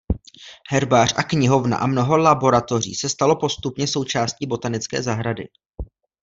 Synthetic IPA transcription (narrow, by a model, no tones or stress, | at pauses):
hɛɾbaːr̝ʔakɲɪɦo̞vna̰ʔamno̞ɦo̞labo̞ɾat̪o̞rḭːsɛst̪alo̞po̞st̪upɲɛso̞wt͡ʃaːsciːbo̞t̪anɪt͡skɛ̰ːzaɦɾadɪ̰